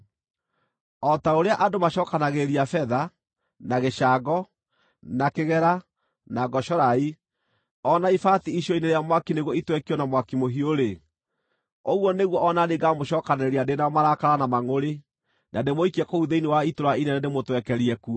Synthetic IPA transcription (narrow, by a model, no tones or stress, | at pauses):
ɔtaoɾeaʔadomaɕɔkanaɣeɾiafɛða | naɣeʃaɡɔ | nakeɣɛɾa | naɡɔʃɔɾai | ɔnaifatiiɕɔineɾeamwakineɣwɔitwɛkiɔnamwakimoɦioɾe | oɣwɔneɣwɔɔnaneɡamoʃɔːkanɛɾiadenaɔmaɾakaɾanamaŋoɾe | nademoikiɛkouðeiniwaitoɾainɛnɛdemotwɛkɛɾiɛku